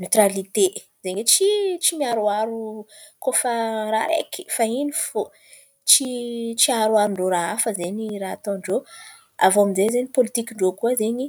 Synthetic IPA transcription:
net̪ralit̪e | zeɲet͡ʃit͡ʃimiaɾuaɾu | kofaɾa̰ɾḛki̥fainifo | t͡ʃit͡ʃiaɾuaɾuɳɖ͡ʐoɾaafəzeɲirat̪ɔ̃ɳɖ͡ʐo | a̰voamizezeɲipolit̪ikʲiɳɖ͡ʐokuazeɲi

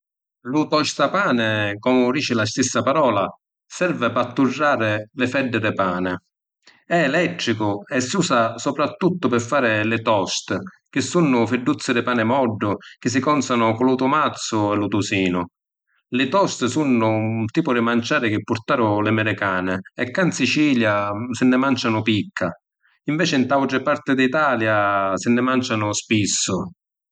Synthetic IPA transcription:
lʊt̪ɔst̪apaːnɪkɔmʊd̪iːt͡ʃɪlast̪isːapaɾɔːla | sɛɾvɪpat̪ːurːaːɾɪlɪfɛd̪ːɪd̪ɪpaːnɪ | ɛːlɛt̪ːɾikʊɛsːuːsasɔpɾat̪ːut̪ːʊpɪfːaːɾɪlɪt̪ɔst̪ | k̟ɪsːunːʊfɪɖːut̪sːɪd̪ɪpaːnɪmɔɖːʊk̟ɪs̬ːɪkɔnsanʊkʊlat̪ʊmat̪sːʊɛlʊt̪usiːnʊ | lɪt̪ɔst̪sunːʊnt̪iːpʊɾɪmant͡ʃaːɾɪk̟ɪpːʊɾt̪aːɾʊlɪmɛɾɪkaːnɪɛkːansit͡ʃiːljasɪnːɪmant͡ʃanʊpikʰːa | iɱvɛːt͡ʃɪnt̪awʈɪpaɾt̪ɪd̪it̪aːljasɪnːɪmant͡ʃanʊspisːʊ

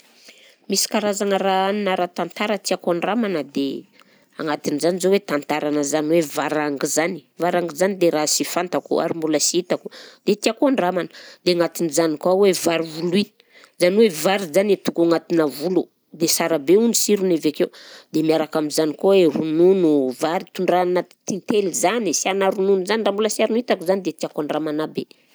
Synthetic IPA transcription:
misi̥kaɾazaŋəɾaaninaɾat̪ant̪aɾət̪iakoaɳɖ͡ʐamanəd̪e | a̰ŋat̪inizanizowet̪ant̪aɾanəzaniwevaɾaŋɡizani̥vaɾaŋɡizanid̪eɾasifant̪akṵa̰ɾimbuləsiit̪akud̪̥et̪iakoaɳɖ͡ʐamanə̥d̪̥eŋat̪inizanikawevaɾivului̥ | zaniwevaɾizanet̪ukaŋat̪inəvulu | d̪esaɾabeunisiɾunevekewd̪emiaɾakaminzanikoweɾununuvaɾit̪uɳɖ͡ʐanat̪int̪elizanisianaɾununuzaniɳɖ͡ʐambulasiaɾunuit̪akuzanid̪et̪iakoaɳɖ͡ʐamanabe

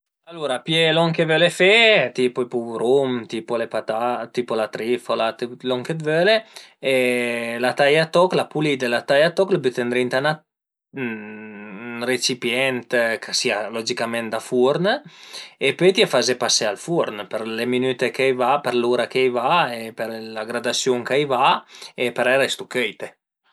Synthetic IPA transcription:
aluːɾapjelɔŋkevølefet̪ipopuɾumt̪ipolepat̪at̪iːpolat̪ɾifolat̪lɔŋkevøleelat̪ajat̪ɔklapulid̪elat̪ajat̪ɔklabyt̪end̪ɾint̪ana | ret͡ʃipjɛnt̪kʰasiːalɔd͡ʒikamɛnt̪d̪afuɾn | epøjt̪iafazepasːealfuɾnpeɾleminyːt̪ekajvapeɾluːɾakejvaepeɾlaɡɾad̪asjuŋkajvaepeɾɛɾest̪ukɛjt̪e

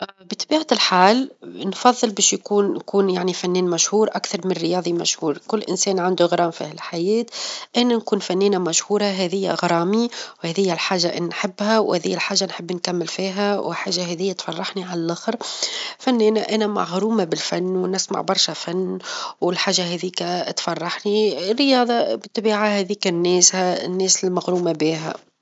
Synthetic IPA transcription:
ʔbit̪ˤɑbiːʕalħaːlnfɑðˤːɨlbɛːʃjkuːnkuːnjaʕnifænːɛːnmæʃhuːɾʔakθɑɾˤmɪnrːɪjɑːðˤimæ̰ʃhuːɾˤkʊlːʔɪ̰nsɛːnʕand̪uɣɾˤɑːmfḭːhɪlħajɛːt̪ʔænænkuːnfænːiːnæmæʃhuːɾˤɑɦɛːðɪjːæ̰ɣɾˤɑːmiwhɛːðɪjːælħaːʒːaʔɪnnħɪbːhæwhɛ̰ːðɪjːælħaːʒːanħɪbːnkæmːɪlfiːɦæwɪħaːʒːaɦɛːðɪjːæt̪fɑrˤːɑħniʕalælʔaxɾfænːiːnæʔænæma̰ɣɾuːmabɪlfænːwnɪsma̰ʕbɑɾˤʃafanːwɪlħaːʒːaɦɛːðiːkæt̪fɑrˤːɑħnirːɪjɑːðˤɑbɪt̪ːˤbiːʕahɛːðiːkɪnːɛːshæɪ̰nːɛːsɪlmaɣɾuːmabiːɦæ̰

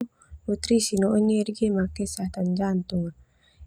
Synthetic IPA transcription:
nut̪ɾisinoʔoɲeɾɡemakesat̪and͡ʒant̪uŋa

